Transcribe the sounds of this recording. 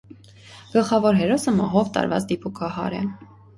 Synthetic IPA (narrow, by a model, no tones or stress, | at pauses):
ɡ̥əlχɑvɔɾɦɛɾɔsəmɑɦɔvt̪ɑ̰ɾvɑ̰t͡sd̪ipʰukʰɑhɑ̰ɾɛ̰